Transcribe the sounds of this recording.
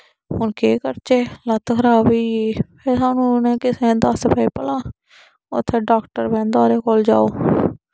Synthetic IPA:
hʊnkʰeːkəɾt͡ʃeːlət̪kʰəɾaːbiːeːpʰeːsaːnũːnɛ̃ːkɪsẽːd̪əspəiːpəlãː | ʊ̰t̪ʰːeːɖaːkʈəɾbɛ̃ːnd̪aːɾeːkold͡ʒa̰ːoː

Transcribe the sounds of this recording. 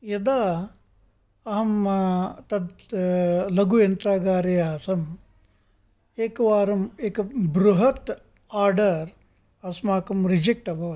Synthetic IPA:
jɐd̪aː | ɐɦɐmt̪ɐd̪ | lɐɡujɐnt̪ɾaːɡaːɾɐjaɐsɐm | eːkɐʋaːɾɐmeːkɐbɾuɦɐt̪ | aːɾɖɐɾ | ɐsmaːkɐmɾid͡ʒek̚ʈɐbʱɐʋɐ

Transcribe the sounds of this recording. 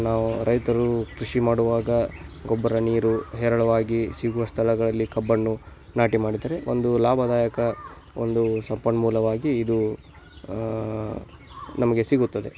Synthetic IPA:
naːʋuɾɐjt̪ɐɾukɾiʂimaːɽuʋaːɡɐɡɔbːɐɾɐniːɾuɦɛːɾɐɭɐʋaːɡisiɡuʋɐst̪ʰɐɭɐɡɐɭɐlːikɐbːɐnːu | naːʈimaːɽid̪aːɾe̞ond̪ulaːbʱɐd̪aːjɐkɐ | o̰nd̪usɐmpɐɳmuːlɐʋaːɡiːd̪u | nɐmɐɡe̞siɡut̪ːɐd̪e̞

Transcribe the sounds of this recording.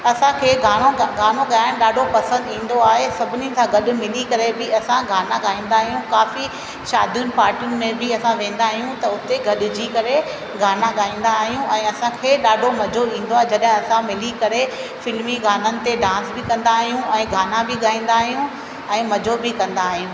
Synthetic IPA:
ɐsãkʰeːɡʱaːɽ̃oɡʱaːnoɠaːjɪñɪɗaːɖʱopɐsə̃nd̪ĩːn̆d̪oaːɦesɐbʱɪnit̪ʰãɡɐɗʊ̆mɪlikɐɾebɪɐsãɡʱaːnãɠaːĩːnd̪aːɦjũkaːfi | ʃaːd̪ʱijʊnɪ̆paːɾʈjʊnɪ̆mẽbɪɐsãʋẽːn̆d̪aːɦijũt̪ɐʊt̪eɡʱɐɗʊd͡ʑikɐɾe | ɡʱaːnãɠaːĩːn̆d̪aːɦijũɛ̃ːɐsãkʰeɗaːɖʱomɐd͡ʑʱoĩːnd̪oaːɦed͡ʑɐɗɦɪ̃ɐsãmɪlikɐɾe | fɪlmiɡʱaːnənɪ̆t̪eɖãːnsbɪkɐ̃nd̪aːɦijũɛ̃ːɡʱaːnãbɪɠaːĩːn̆d̪aːɦijũ | ɛ̃ːmɐd͡ʑʱobɪkɐ̃nd̪aːɦijũ

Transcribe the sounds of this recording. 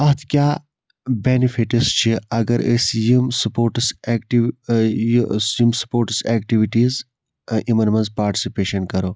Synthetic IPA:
ɐɦt̪ʰkʲjaː | beːnifʰiʈist͡ʃʰiɐɡɐɾesjimsɐpoːɾʈseːkʈi | sjimsɐ̥poːɾʈseːkʈiʋiʈiːz | imɐɾmɐnzpaːɾʈi̥sipeːʃɐnkɐɾoː

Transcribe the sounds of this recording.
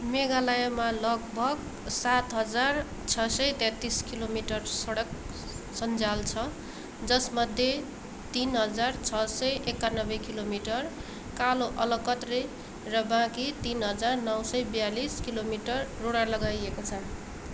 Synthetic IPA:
meɡalajʌmalʌɡ̚bʱʌɡ | sat̪ɦʌd͡zar | t͡sʰʌsʌjt̪ɛ̃t̪ːiskilomiʈʌrsʌɽʌk | sʌnd͡zalt͡sʰʌ | d͡zʌsmʌd̪ʱje | t̪inɦʌd͡zart͡sʰʌsʌjekːanʌbʌkilomiʈʌr | kaloʔʌlʌkʌt̪re | rʌbãkit̪inɦʌd͡zarnʌwsʌjbʌjaliskilomiʈʌrːoɽalʌɡajekot͡sʰʌn

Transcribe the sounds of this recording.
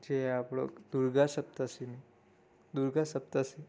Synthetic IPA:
d͡ʑeapɽo̰kd̪uɾɡasəp̚t̪asemi | d̪uɾɡasəp̚t̪ase

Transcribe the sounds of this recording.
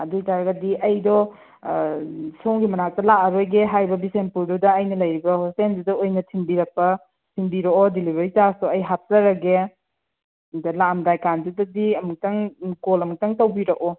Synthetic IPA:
ɐduitaɾɐɡɐdiʔɐjdɔ | soŋɡimɐnak̚tɐlaʔɐɾojɡeɦajbɐbisenpuɾdudɐːjnɐlɐjɾibɐhosendudɐojnɐtʰiŋbiɾɐk̚pɐ | sʰiŋbiɾɐkɔdilibɐɾitasɔɐjɦat̚zɐɾɐɡe | dɐlamdajkandudɐdiɐmuk̚tɐŋkolɐmuk̚tɐŋtɐwbiɾɐkɔ

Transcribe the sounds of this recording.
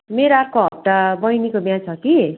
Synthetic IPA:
meɾoarkoɦʌt̪ːabʌjnikobjãt͡sʰʌki

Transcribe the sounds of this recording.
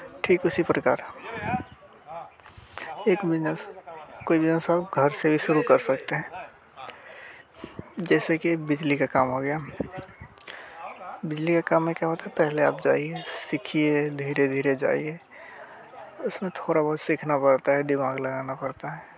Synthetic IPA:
ʈʰiːkʊsipɾəka̰ːɾɦ | eːkbɪskoːibɪd͡ʒnəsaːb̚ɡʱəɾsebʱiʃʊɾukɐɾsɐk̚t̪eɦɛ̃ː | d͡ʒɛːsekibɪd͡ʒlikakaːmɦoɡɐja | bɪd͡ʒlikakaːmːẽkjaɦot̪apɛɦlea̰ːp̚d͡ʒaːiesɪkʰied̪ʱiːɾed̪ʱiːɾed͡ʒa̰ːie | ʊsmẽt̪ʰoːɾabɐɦʊt̪sikʰnapɐɾt̪aɦɛd̪ɪmaːɡlɐɡaːnapɐɾt̪aɦɛː

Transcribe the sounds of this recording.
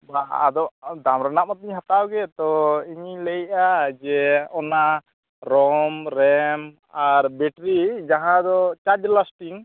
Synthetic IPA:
baa̰d̪ɔd̪amɾɛnap̚ɔt̪̚iɲɦat̪awɡɛt̪ɔiɲiləjʔad͡ʒɛɔna | ɾɔmɾɛm | aɾbɛʈɾid͡ʒaɦãd̪ɔt͡ʃad͡ʒlasʈiŋ

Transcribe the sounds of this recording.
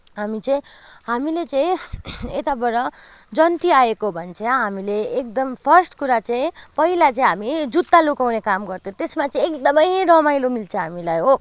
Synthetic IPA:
ɦamit͡sʌĩɦamilet͡sʌĩet̪abʌɾʌ | d͡zʌnt̪iaekoɦbʱʌnt͡sʰʌjaɦamileːk̚d̪ʌmpʰʌrsʈkuɾat͡sʌĩpʌɦilat͡sʌĩɦamid͡zut̪ːalukawnekamɡʌrt̪ʰjõt̪esmat͡sʌĩekd̪ʌmʌjɾʌmajlomilt͡sʰʌ̃ɦamilajɦo

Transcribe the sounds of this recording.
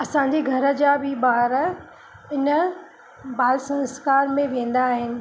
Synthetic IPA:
ɐsãɲd͡ʑeɡʱɐɾə̆d͡ʑaːbʱɪbaːɾ | ɪnə | baːlsɐ̃nskaːɾmẽʋẽːn̆d̪aːɦɪnɪ̆

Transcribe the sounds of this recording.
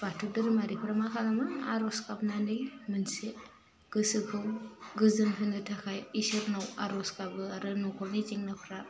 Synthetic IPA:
b̥atʰudɯɾɯmaɾipʰɾamakʰalamaːɾɔskap̚nanɯjmɯnse | ɡ̥ɯsɯkʰɯwɡɯzɯnpʰɯndɯtʰakʰajisɯɾnawaɾɔskabɯaɾɯnɔkʰɔlnit͡ʃiŋnapʰɾa

